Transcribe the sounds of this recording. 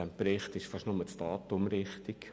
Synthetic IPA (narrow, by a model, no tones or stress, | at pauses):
æmpɾɪχtɪʃfɑʃnʊmət͡stɑːt̪ʊmɾɪχtik